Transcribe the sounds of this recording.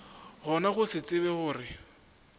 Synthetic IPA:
ɣɔnaχʊsɪt͡sʼɪβɛχʊːrɪ

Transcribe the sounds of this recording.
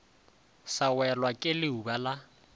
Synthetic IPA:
sawɛlwakʼɪlɪubala

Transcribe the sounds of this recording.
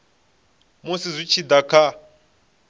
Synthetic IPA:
musizʷit͡ʃʰid̪akʰa

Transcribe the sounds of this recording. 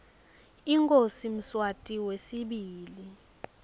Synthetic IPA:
iŋkʼosim̩swatʼiwesiɓiːli

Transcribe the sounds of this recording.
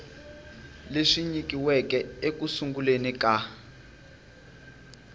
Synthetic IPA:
leʂiɲikiwɛkɛekusuŋɡulenika

